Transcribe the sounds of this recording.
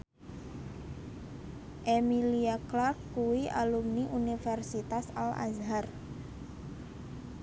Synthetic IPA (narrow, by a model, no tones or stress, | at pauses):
ʔemiliaklarkkuwiʔalumniʔunifɛrsit̪asala̰zɦar